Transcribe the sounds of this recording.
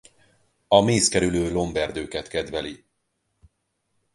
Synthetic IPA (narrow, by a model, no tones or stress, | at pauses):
ɒmeːskɛɾyløːlo̞mbɛrd̪øːkɛt̪kɛd̪vɛli